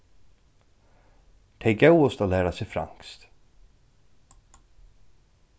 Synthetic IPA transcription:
t̪ʰeɪɡœwɔst̪oːlæːɾasɛfɾa̰ŋkst̪

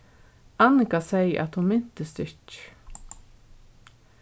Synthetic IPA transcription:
anɪkasɛjə̰ʔæt̪hʊnmɪn̥t̪əst̪ɪɹt͡ʃ

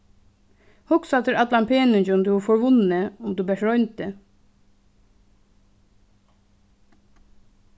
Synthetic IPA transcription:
hɔksɑt̪ʰəɾɑt̪lɑmpʰeːnʏnçəʊmd̪ʉːʋɑːfɔɹʋʊnəʊmd̪ʉːbəʃɹɔʏnt̪̚d̪e

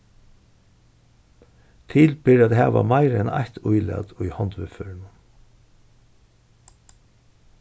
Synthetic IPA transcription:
t̪ʰɪlbɪɾad̪ɦɛːʋa̰maɪɾɛna̰jht̪ʊjlɛ̰t̪ʊjhɑnt̪ʋɪføːɾɪnʊ

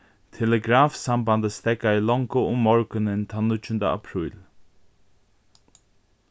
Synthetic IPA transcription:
t̪ʰɛləɡɾaːfsamband̪əst̪ɛkaɪlɔŋkəʊmːɔɹkənɪnt̪ʰanʊt͡ʃʊnd̪əa̰pʰɾʏːl

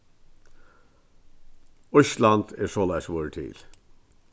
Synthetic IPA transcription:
œçlɑnd̪eːʂoːlæɪsʋoːɹəʈ̪ʰɪ̰l

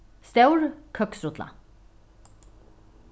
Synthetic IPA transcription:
st̪aʉɹkʰœksɾʊt̪la̰

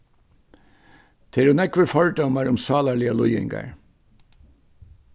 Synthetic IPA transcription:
t̪ʰɛɾʊnɛkʋəɾfɔɭɖɔmɑɹʊmsɑːlɑɭɪəlʊjɪ̰ŋɡɑ̰ɹ

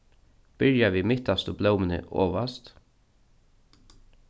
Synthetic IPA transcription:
b̥ɪɹjaʋiːmɪt̪ast̪ʊblœwmɪnə̰ʔo̰ːʋast̪

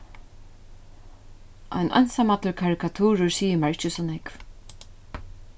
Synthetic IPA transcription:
ʔa̰jnʔa̰jnsamat̪əɹkʰaɹɪkʰat̪ʰuːɾʊɹsiːəmaɹɪt͡ʃɪsɔnɛkv

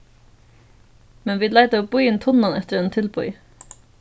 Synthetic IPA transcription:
mɛnʋiːlæɪd̪əoːbʊʏɪnt̪ʰʊnɑnʔɛt̪əɾeːnt̪ʰɪlbʊʏ

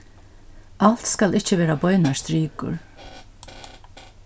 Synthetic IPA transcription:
al̥t̪skalɪht͡ʃəʋeːɾabɔʏnast̪ɾiːkʊ̰ɹ

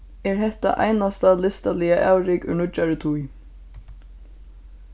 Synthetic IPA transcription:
ɛɹɦɛht̪a̰ʔa̰jnast̪alɪst̪alɪaʔaːwɾɪkʏ̰nʊt͡ʃaɹɪt̪ʰuj

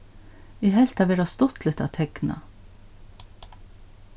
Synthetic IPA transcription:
iːɦɛlt̪ɑʋeːɾɑst̪ɔt̪ʰlʏt̪ɑ̰ːt̪ʰɛɡ̥nɑ̰

